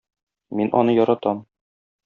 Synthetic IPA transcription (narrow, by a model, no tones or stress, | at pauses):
minʔɒ̰nɤjɒɾɑt̪ɑm